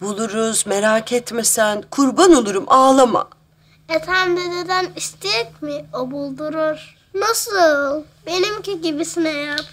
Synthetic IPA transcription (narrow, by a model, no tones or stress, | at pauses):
bulˠuɾuzme̞ɾakʰɛt̪mesænkʰuɾbanolˠuɾumʔaːlˠama̰ | et̪ʰænd̪ed̪ed̪ænist̪ʰejɛc̚mɪobulˠd̪uɾuɾ̥ | nasɯllˠ | be̞nimciɟibisinɛjap